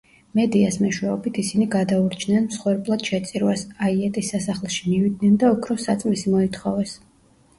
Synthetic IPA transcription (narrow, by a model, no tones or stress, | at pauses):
mɛd̪iasmɛʃwɛɔbit̪ʰisiniɡad̪auɾt͡ʃʰnɛnmsχwɛɾblˠad̪̥ʃɛt̪sʼiɾwasaiɛt̪ʼisːasaχlˠʃimivid̪̚nɛnd̪aukʰɾɔsat̪sʼmisimɔit̪ʰχɔvɛs